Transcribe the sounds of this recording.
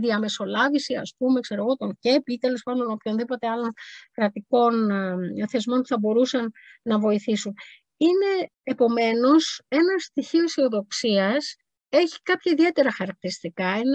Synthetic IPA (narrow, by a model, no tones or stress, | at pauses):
ðiɐme̞so̞lɐvisiɐ̰spume̞kse̞ɾo̞ɣo̞t̪o̞ŋce̞pit̪e̞le̞spɐnd̪ono̞pço̞nðipo̞t̪e̞ɐlo̞nkɾɐt̪iko̞nθe̞zmo̞npuθɐbo̞ɾusɐnːɐvo̞iθisun | ine̞ː | po̞me̞no̞se̞nɐst̪içioiseo̞ðo̞ksiɐs | e̞çi̥kɐpçɐiðie̞t̪e̞ɾɐxɐɾɐk̚t̪iɾist̪ikɐine